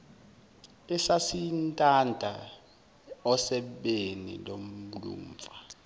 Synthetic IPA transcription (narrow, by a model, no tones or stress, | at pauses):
ɛsasintʼandʱa | ɔsɛɓenḭlom̩lṵːmfa